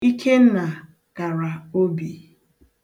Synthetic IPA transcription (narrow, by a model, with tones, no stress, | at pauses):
i˦kʰe˦n̩˦na˨ | ɡ̥a˨ɾa˨o˦bi˨